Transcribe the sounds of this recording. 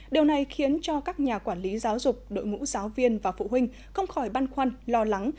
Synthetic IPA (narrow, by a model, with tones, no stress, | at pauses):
ɗi˨˩əwna˨˩jxi˨˦ənt͡ɕɔ˧kaː˦˥k̚ɲaː˨˩kwaː˧˩nli˨˦zaː˨˦wzʊ˨˩k͡p̚ɗo̰˧˨jŋṵ˧˥z̥aː˨˦wvi˧ənvaː˨˩fṵ˧˨hï˧ŋ̟ | xə˧wŋ͡mxɔ˧˩jɓaː˧nxwa˧nlɔ˧la˨˦ŋ